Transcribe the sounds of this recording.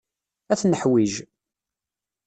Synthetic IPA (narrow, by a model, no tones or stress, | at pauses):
æθnəħwiʒ